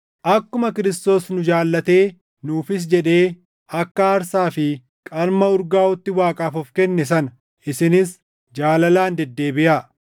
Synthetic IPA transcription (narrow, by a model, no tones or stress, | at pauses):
ʔɐkːʊmɐkɪɾɪst̪o̞ːsnʊd͡ʒaːlːɐt̪e̞ː | nuːfɪs̬d͡ʒɛᶑe̞ː | ɐkːɐːɾsaːfɪ | kʼɐɾmɐʊɾɡaːɔt̪ːɪwaːkʼaːfɔfkɛnːɛs̬ɐnɐ | ʔɪsɪnɪs | d͡ʒaːlɐlaːnd̪ɛd̪ːe̞ːbɪʔa